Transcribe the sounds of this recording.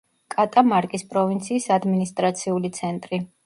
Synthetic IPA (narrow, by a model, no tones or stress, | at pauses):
kʼat̪ʼamaɾkʼispʼɾɔvint̪sʰiːsad̪minist̪ʼɾat̪sʰiulit̪sʰɛnt̪ʼɾi